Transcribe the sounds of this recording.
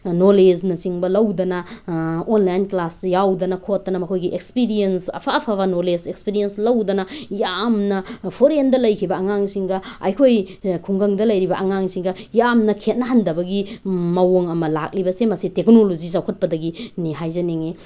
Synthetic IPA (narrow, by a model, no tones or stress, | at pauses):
noled͡ʒnɐsiŋbɐlɐwdɐnɐ | onlajnklasjawdɐnɐkʰot̚dɐnɐmɐkʰojɡiʔekspiɾiensɐ̰pʰaːpʰɐβɐnoled͡ʒekspiɾijenslɐwdɐnɐjamnɐpʰoɾendɐlɐjkʰibɐɐŋaŋsiŋɡɐɐ̰jkʰojkʰuŋɡɐŋdɐlɐjɾibɐʔɐŋaŋsiŋɡɐjamnɐkʰet̚nɐɦɐndɐbɐɡimɐwoŋɐmɐla̰k̚libɐsemɐsitek̚nolozis̬awkʰɐt̚pɐdɐɡiniɦajzɐneŋe